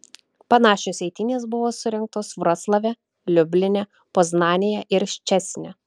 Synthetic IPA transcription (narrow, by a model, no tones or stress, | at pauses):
pɐnɑːʃʲoːsʲɛɪt̪ʲɪnʲeːsbʊʋoːsʊɾʲɛŋk̚t̪oːsʋɾɐslˠɐʋʲɛ | lʲʊbʲlʲɪnʲɛ | poznɑːnʲɪjɛʔɪɾʃʲt͡ʃʲɛsʲnʲɛ